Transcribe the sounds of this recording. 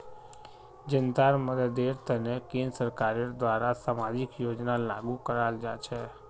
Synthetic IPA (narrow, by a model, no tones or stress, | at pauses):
d͡ʒənd̪aɾməd̪əd̪eɾt̪ʰənekĩnd̪əsəɾkaɾed̪ʋaɾasamad͡ʒikjod͡ʒnala̰ɡukəɾald͡ʒat͡ʃʰe